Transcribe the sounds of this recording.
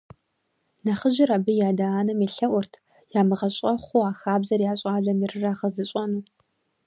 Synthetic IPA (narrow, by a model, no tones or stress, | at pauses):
nɐχəʑɪrabɨjaːdaaːnɐmeɬɐʔʷʊrtʰ | jaːmɨʁɐɕʼɐχʷuaːxaːbzɐrjaːɕʼaːɮɐmɪrɨraːʁɐzɨɕʼɐnuː